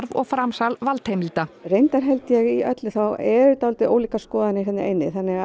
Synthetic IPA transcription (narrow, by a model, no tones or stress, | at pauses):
ɾvɔɣfɾamsalvalt̪ʰejmilt̪arejnt̪aɾ̥ɦɛlt̪jɛɣiœt̪lɪθawɛɾʏt̪awlt̪ɪʔoːwliːkaskɔːðanɪisɛnːɪʔḛjnːɪθanːɛɣa